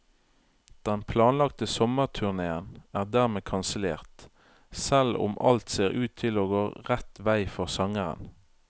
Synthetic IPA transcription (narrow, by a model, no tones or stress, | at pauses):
d̪̥ɛnpʰlɑːnlɑkt̪əsɔməʁt̪ʰʉʁneːənæːʁd̪æːʁmeːkʰɑnsəlḛːʁt̪ | sɛlʊ̰mʔɑ̰lt̪seːʁʉːt̪ʰːɪloːɡoːʁɛt̪ʋæɪfɔʁsɑŋəʁə̰n